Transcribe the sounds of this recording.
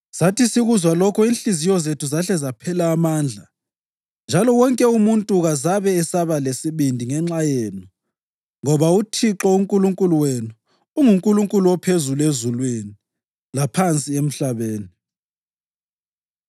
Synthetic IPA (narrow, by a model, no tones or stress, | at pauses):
satʰisiɣuzwalɔkʰɔinɬizijɔzetʰuzaɬɛzapʰɛlaːmaːnd͡ɮʱa | nd͡ʒʱalɔwɔŋkʼɛumuntʼuɣazaβɛːsaβalesiβindʱiŋɛŋ͡ǁajeːnu | ŋɔβautʰiǁɔuŋkʼuluŋkʼuluwenuː | ŋuŋkʼuluŋkʼuluwɔpʰezuluezulweni | lapʰant͡sʼiem̩ɬaβeːni